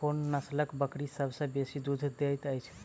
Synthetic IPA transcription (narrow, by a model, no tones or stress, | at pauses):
onːəsləkbəkɽisəbsə̃besid̪ud̪ʱd̪ejt̪əjt͡ʃʰ